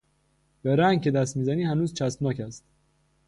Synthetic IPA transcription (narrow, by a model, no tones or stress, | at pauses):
beɾæŋɡ̚cʰed̪æst̪miːzæniːhænuːzt͡ʃʰæst̪nɒːcʰæst̪̚